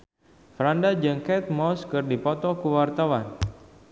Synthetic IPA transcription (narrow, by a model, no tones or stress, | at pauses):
fɾandad͡ʒɨŋkɛt̪̚mɔskɨrdipɔt̪ɔkuwart̪awan